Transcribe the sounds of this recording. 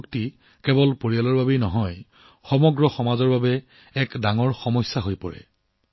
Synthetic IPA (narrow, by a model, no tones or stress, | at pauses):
kti | kɛbɔlpoɹijalɔɹbabejnɔɦɔj | xɔmɔɡɹɔxɔmazɔɹbabɛ | ɛkdaŋɔɹxɔmɔjsːaɦojpɔɹɛ̰